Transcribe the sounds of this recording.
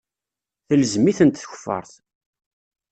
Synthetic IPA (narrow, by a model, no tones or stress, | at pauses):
θələzmiθənt̪θçə̥fːə̰ɾˤθ